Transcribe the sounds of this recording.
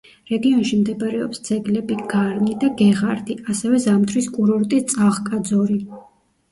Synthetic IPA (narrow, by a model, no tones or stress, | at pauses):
ɾɛɡiɔnʃimd̪ɛbɾɛɔ̰psd̪z̥ɛɡlɛbiɡ̥aɾnid̪aɡɛʁaɾd̪ʰiasɛvɛzamt̪ʰɾiskʼuɾɔɾt̪ʼit̪sʼaʁkʼad̪zɔɾi